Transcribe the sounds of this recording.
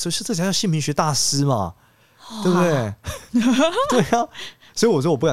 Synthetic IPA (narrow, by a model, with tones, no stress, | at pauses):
sɔ˥˧˥ʈ͡ʂɤ˥˩˨jɑ˥˧ɕi˥˩npʰi˧˥ɕɥɛ˧˥t̪a˥˩sɹ̩˥mɐ̰˨˩ | t̪we˥˩bt̪we˥˩ɪ˧ | t̪we˥˩ɪa˨˩ | swɔ˧˥i˨˧wɔ˨˩t͡ɕɥ̪pka˨˩